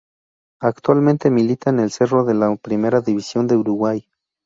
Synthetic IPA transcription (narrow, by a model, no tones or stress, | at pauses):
akt̪walment̪emilit̪anelse̞roðelapɾime̞ɾaðiβisjond̪euɾuɣwaj